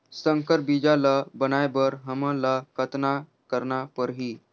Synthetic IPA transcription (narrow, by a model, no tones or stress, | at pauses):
səŋkəɾbid͡ʑaləbənajbəɾɦəmələkət̪na | kəɾɳapəɾɦiː